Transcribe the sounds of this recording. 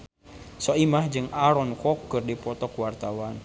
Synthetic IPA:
sɔimahd͡ʒɨŋaɾɔnkɔkːɨrdipɔt̪ɔkwart̪awan

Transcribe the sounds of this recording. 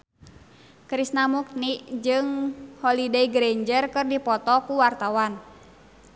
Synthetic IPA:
kɾisnamuk̚niʔd͡ʒɨŋhɔlidɛiɡɾɛɲd͡ʒərkɨrdipɔt̪ɔkuwart̪awan

